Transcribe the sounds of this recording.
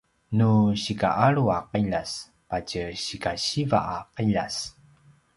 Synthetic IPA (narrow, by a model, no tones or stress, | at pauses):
nuɕika̰ʔaɾuaqiʎas | pacəɕikaɕiva̰ʔaqiʎas